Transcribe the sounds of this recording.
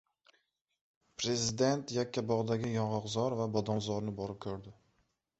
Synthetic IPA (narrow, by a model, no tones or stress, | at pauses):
pʰɾe̞zɪd̪e̞nt̪jakʲʰːabɒʁd̪aɡʲɪjɒɴʁɑqzɒɾvabɒd̪ɒnzɒɾnɪbɒɾɪp̚kʲʰɵɾd̪ɪ